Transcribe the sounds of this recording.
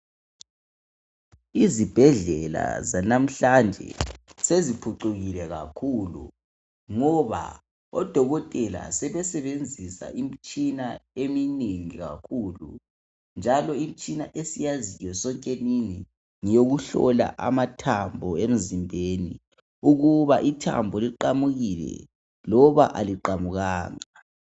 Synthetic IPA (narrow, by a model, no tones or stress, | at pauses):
izib̥ʱɛɮɛla̰zanam̩ɬand͡ʒʱɛ̰sezipʰuǃuɣilɛɣa̰kʰulṵ | ŋɔβa̰ | ɔd̥ʱɔɣɔtʼɛla̰sɛβɛsɛβend͡zʱisa̰ʔimit͡ʃʼinaemineŋiɣa̰kʰuːlṵ | nd͡ʒʱalɔim̩it͡ʃʼinaʔesijazijɔsɔŋkʼenini | ŋijoɣuɬɔ̰la̰ʔa̰matʰambʱɔem̩zimbʱenḭ | uɣuβaʔitʰa̰mbʱɔliǃamuɣilɛ̰ | lɔβa̰ʔaliǃamuɣaːŋa